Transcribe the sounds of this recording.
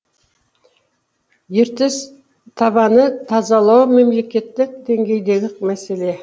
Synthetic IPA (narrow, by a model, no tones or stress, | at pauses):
jeɾt̪es | t̪ʰɑβɑnət̪ʰɑzɑlˠɑwme̞mle̞kʲe̞t̪ːɪk̚d̪e̞ŋɡʲe̞jd̪e̞ɡʲɪkmæse̞le̞